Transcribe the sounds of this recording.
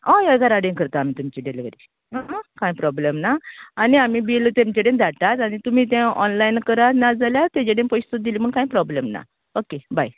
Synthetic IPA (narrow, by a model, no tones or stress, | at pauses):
ɔ̃jaɡaɾaɽẽŋkəɾt̪aːmit̪umt͡ɕiɖelɡəɾi | ɦãɦkãĩpɾɔblemnaːniamiːbilt̪ɛ̃mt͡ɕeɽẽnd̪ʱaʈat̪añit̪um̤iːt̪̬ɛ̃ɔnlajnkəɾanad͡zaljat̪ɛ̃t͡ɕeɽẽnpɔjst̪ɔd̪ilim̤əɳkãĩpɾɔblemna̰ | okebaj